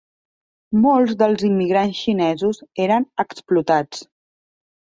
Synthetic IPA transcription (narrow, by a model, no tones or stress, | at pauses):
molˠzd̪əlˠzimːiɣɾansʃinɛzuzeɾənəksplut̪at͡s